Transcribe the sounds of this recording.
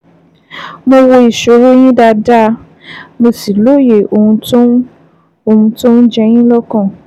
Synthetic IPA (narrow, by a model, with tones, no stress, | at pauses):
mo˧wo˧i˨ʃo˨ɾo˦j̃ĩ˦da˧da˦ | mo˧si˨lo˦˨je˨o˧˨ũ˧to˦ | o˧ũ˧to˦n̩˦d͡ʒɛ˧j̃ĩ˦lɔ˦kã˦˨